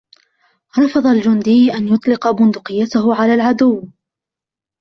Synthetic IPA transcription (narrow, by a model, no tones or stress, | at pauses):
ɾˤɑfɑðˤɑld͡ʒʊnd̪ɪjʔanjʊt̪ˤlɪqɑbʊnd̪ʊqɨjːat̪ahʊʕalaːlʕad̪ʊwː